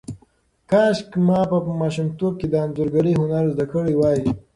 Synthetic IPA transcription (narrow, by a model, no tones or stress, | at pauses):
kɑːʃkmɑːpəmɑːʃumt̪ob̚ked̪əanzuɾɡɐɽiɦʊnaɾzd̪akəɽiwɑːi